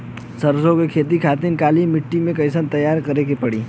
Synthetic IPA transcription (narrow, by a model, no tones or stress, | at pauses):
sɐɾsõkekʰeːt̪̬ikʰaːt̪inkaːlimɪʈːimẽkɐɪsənt̪ɐjaːɾkɐɾekepɐɽiː